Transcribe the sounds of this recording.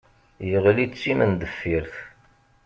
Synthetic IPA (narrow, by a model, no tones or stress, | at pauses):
jəʁlit͡sːimənd̪əfːiɾθ